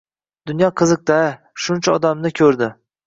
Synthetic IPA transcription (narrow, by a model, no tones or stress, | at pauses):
d̪̥ʊnjɒqʰɨzɨq̚t̪a | ʃʊnt͡ʃʰaɒd̪amnɪkʲʰɵɾd̪ɪ